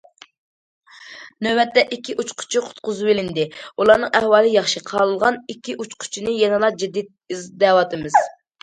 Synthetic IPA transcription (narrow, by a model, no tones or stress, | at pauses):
nøbɛt̪ːɛʔikʲʰːiʔut͡ʃqʰʊ̥t͡ʃʰiqʰʊ̥t̪qʊzɨbelɪnd̪ɪulˠɑɾnɨŋɛhwɑːlˠɨjɑχʃiqʰɑlˠɨlˠʁɑnikʲʰːiʔut͡ʃqʰʊ̥t͡ʃʰinɨjɛnɨlˠɑd͡ʒid̪ːit̪̚izd̪ɛwɑt̪ʰɨmɨz̥